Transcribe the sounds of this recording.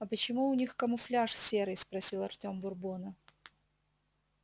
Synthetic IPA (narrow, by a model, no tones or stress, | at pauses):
ɐpət͡ɕɪmuʊnʲixkəmʊflʲaʂsʲeɾɨjspɾɐsʲilˠɐrtʲo̞mbʊrbonə